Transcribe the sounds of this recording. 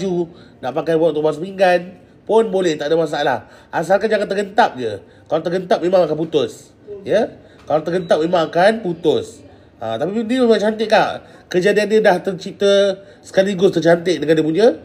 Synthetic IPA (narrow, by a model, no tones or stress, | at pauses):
d͡ʒunaʔpakajwɔk̚t̪ubas̬əmiŋɡan | pʊnbolɛht̪aʔdəmas̬aala̰h | ʔas̬alkand͡ʒaŋant̪ərɡənt̪ap̚d͡ʒə | kalat̪ərɡənt̪ap̚memãŋakanput̪ʊs | jə | kalat̪ərɡənt̪ap̚memãŋakanput̪ʊs | ʔa̰t̪apinimemãt͡ʃant̪ɪʔkaʔ | kəd͡ʒadianɲədaht̪ərt͡ʃit̪ə | sə̥kaliɡʊst̪ərt͡ʃant̪ɪʔ̚dəŋandəpuɲə